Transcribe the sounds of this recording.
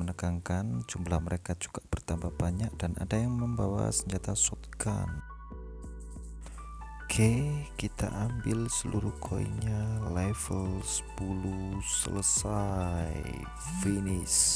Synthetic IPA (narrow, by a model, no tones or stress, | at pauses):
mənəkaŋkand͡ʒumlahməɾekad͡ʒuɡ̥aʔb̥ərt̪ambahb̥aɲak̚d̥anʔa̰dajaŋməmbawa̰səɲd͡ʒat̪asut̪̚ka̰n | ɡʰekit̪a̰ʔambɪlsəluɾukʰoḭɲalɛvəlsə̥pulusə̰ləsaj | finɪs